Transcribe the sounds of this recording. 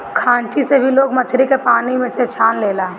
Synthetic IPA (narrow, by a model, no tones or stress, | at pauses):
kʰãːɳʈisebʱiloːɡmɐt͡ʃʰɾikepaːnimẽset͡ʃʰaːnleːlaː